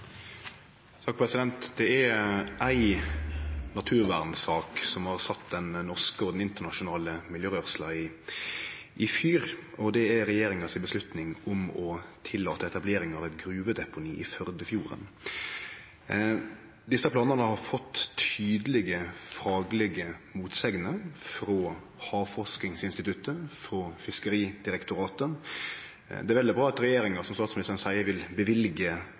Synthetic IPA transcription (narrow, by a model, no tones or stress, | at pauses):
sɑːk̚pʰʁɛsɪd̪ɛnt̪d̪ɛɛɾæɪ | nɑt̪ʰʉːʁʋæʁnsɑːksɔmhɑɾsɑt̪ːd̪ɛnːɔʁskəɔd̪ɛnɪnt̪əʁnɑʃʊnɑːləmɪljøːɾœːʁslɑɪ | ʔɪfjyːɾɔd̪ɛæɾɛjeːɾɪŋɑsɪbəslʉt̪nɪŋʊmɔt̪ʰɪlːɑːt̪əɛt̪ɑbleːɾɪŋɑʋɛt̪ɡɾʉːʋəd̪ɛpʊniːʔɪfœʁd̪əfjuːɾə̰n | d̪ɪsɑplɑːnəʁnəhɑɾfɔt̪ːʰyːd̪əlɪɡəfɑːɡlɪɡəmuːt̪sɛɡnəfɾo | hɑːʋfɔʁʂknɪŋsɪnst̪ɪt̪ʉt̪ːəfɾoːfɪskəɾiːd̪̥ɪɾɛkt̪ʊɾɑːt̪ə | d̪ɛæɾʋɛld̪ɪbɾɑːɑt̪ɾɛjeːɾɪŋɑsɔmst̪ɑːt̪smɪnɪst̪ʁnsæɪəʋɪlbəʋɪlɡə